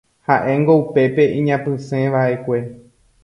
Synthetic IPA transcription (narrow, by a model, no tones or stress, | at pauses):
haʔẽ̞ŋɡo̞upe̞peʔĩɲãpɨ̃sẽ̞ʋaʔe̞kʷe̞